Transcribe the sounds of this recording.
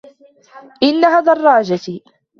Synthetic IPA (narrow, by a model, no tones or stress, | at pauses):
ʔɪnːahaːd̪ɑrˤːɑːd͡ʒa